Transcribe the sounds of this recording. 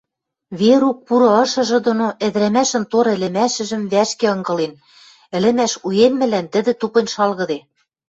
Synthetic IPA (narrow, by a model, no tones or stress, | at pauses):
βeɾuk̚puɾɤ̆ɤ̆ʃɤ̆ʒɤ̆d̪onoʔɘ̆ðɾæmæʃɘ̆nt̪oɾɘ̆lɘ̆mæʃɘ̆ʒɘ̆mβæʃkĕɤ̆ŋɡɤ̆len | ɘ̆lɘ̆mæʃujenmɘ̆lænt̪ɘ̆d̪ɘ̆t̪upɤ̆nʲʃɑlɣɤ̆d̪e